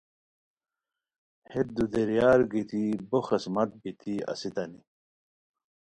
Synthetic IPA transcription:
het̪̚d̪ud̪eɾjaːɾɡit̪iboxɐsmɐt̪̚bit̪ʰiɐ̰sit̪ɐni

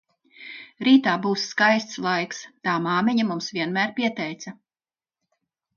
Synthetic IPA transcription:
ɾiːt̪aːbuːsːkajst̪slˠajkst̪aːmaːmɛɲamumsvʲiɛnmæːɾpʲiɛt̪ɛjt̪sɐ

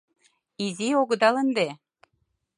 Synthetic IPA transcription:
izioɣɤ̆d̪ɑlə̆nd̪e

